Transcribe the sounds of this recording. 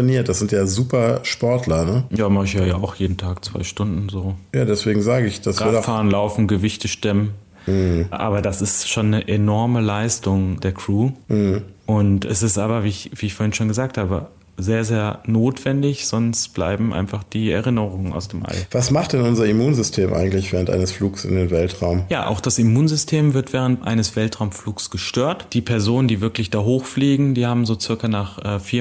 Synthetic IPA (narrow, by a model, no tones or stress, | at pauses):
eniːɐt̚d̥asz̥ɪntjaːzuːpɐʃpɔɐtʰlɐnəjaːmaɪjaːjaːaʊxjeːdn̩tʰaːkt͡sv̥a̰ɪʃtʊndn̩zoːjaːdɛsv̥eːɡŋ̩zaːɡəɪçd̥asaiːɐfaːʁənlaʊfn̩ɡəvɪçtəʃtɛmən̩ | ʔa̰ːbɐdasɪstʃoːnːəʔɛnɔɐməlaɪstʊŋd̥eːɐkʁ̥uːh̩ʔʊntʔɛ̰sɪstʔaːbɐviːɪçviːɪçfoːɐhɪnʃoːnɡəzaːk̚thaːbə̰ | zeːɐzeːɐnoːtv̥ɛndɪçz̥ɔnstb̥la̰ɪbm̩ʔa̰ɪnfaχd̥iːɛɐʁɪnəʁʊŋəna̰ʊsd̥eːmʔa̰lv̥asmaχt̚d̥ɛnʊnzɐimuːnzʏstʰeːmʔa̰ɪɡŋ̩tlɪçv̥ɛːʁəntʔa̰ɪnəsfluːksɪ̰ndeːnvɛltʁaʊmjaːʔa̰ʊxd̥asimuːnzʏstʰeːmvɪɐtv̥ɛːʁ̞əntʔa̰ɪnəsv̥ɛltʁ̥aʊmfluːksɡ̥əʃtøːɐtd̥iːpʰɛɐzoːnəndiːvɪɐklɪçd̥aːɦoːxfliːɡŋ̩diːhaːbm̩zoːt͡sɪɐkɐnaːχʔɛːfiːɐ